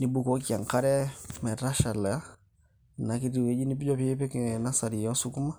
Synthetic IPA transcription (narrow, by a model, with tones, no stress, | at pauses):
ni˨bu˨ko˦ki˨a˨ŋka˦ɾɛ˦mɛ˨ɾa˦ʃa˨lɛ˨a˦ | na˨ki˦di˨we˦d͡ʒi˦ni˦bi˦d͡ʒo˦pi˦pe˦kna˦sa˨ɾi˨jo˦su˦ku˦ma˦